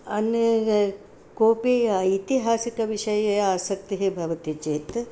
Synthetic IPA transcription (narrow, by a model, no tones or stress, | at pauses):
ɐnjɐ | koːpiɐit̪iɦaːsikɐʋiʃɐjɐjɐaːsɐk̚t̪iɦebʱɐʋɐt̪it͡ʃeːt̪